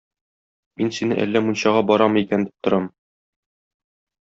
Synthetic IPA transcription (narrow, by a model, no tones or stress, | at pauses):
minsinɘ̰ʔæ̰lːæmunɕɑʁɑbɒɾɑmɤikænd̪i̥p̚t̪ŏɾɑm